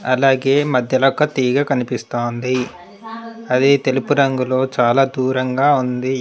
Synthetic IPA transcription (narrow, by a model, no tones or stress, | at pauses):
ɐlaːɡeːmɐd̪ʱjɐlɔkːɐt̪iːɡɐkɐnipist̪oːnd̪i | ɐd̪it̪e̞lupuɾɐŋɡulo̞ːt͡ʃaːlaːd̪uːɾɐŋɡaːund̪i